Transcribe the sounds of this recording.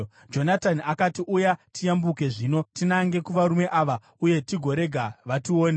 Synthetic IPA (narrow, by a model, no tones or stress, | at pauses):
d͡ʒo̞natanakatiʔujatijambukeʐino̞tinaŋɡe̞kuʋaɾume̞ʔaːʋa | uje̞tiɡʱo̞ɾe̞ɡʱaʋatio̞ːne